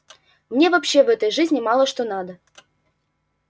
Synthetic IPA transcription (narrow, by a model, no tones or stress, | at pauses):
mnʲevapɕːevɛt̪əjʐɨzʲnʲɪmɑlˠəʂt̪onɑd̪ə